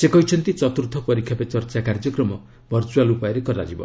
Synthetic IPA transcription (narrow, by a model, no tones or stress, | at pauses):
sekɔɦit͡ʃʰɔnt̪it͡ʃɔt̪uɾt̪ʰɔpɔɾikʰjapet͡ʃɔɾt͡ʃakaɾd͡ʒɔkɾɔmɔ | bʱɔɾt͡ʃualupajɔɾekɔɾa̰d͡ʒibɔ̰